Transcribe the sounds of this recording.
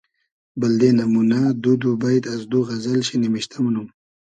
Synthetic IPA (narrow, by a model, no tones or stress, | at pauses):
bəld̪enamunad̪ud̪ubajt̪azd̪uɣɐzəlɕinimiɕt̪ʰamnum